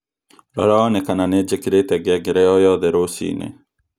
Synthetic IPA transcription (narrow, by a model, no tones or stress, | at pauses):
ɾɔ̰ɾanekananed͡ʒekɪɾet̪ɛɡɛɡɪɾɛɔjɔðɛɾosḭnḛ